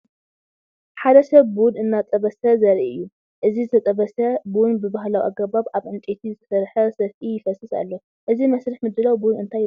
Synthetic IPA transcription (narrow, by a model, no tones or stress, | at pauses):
ħad̪ɐsɐβːnɨnːat͡s̪ʼɐβɐsɐzɐɾʔɨjːu | ʔɨzizɨt̪ʰɐt̪ʼɐβɐsɐbunbɨbaɦlawʔa̰ɡɐbaβʔaβʔɨnt̪ʼet̪ʰizɨt̪ʰɐ̥sɐɾħɐsɐfʔijɪfɐsɨsa̰lːo | ʔɨzimɐsɾɨħmɨd̪ːɨlawbunɨnt̪ʰa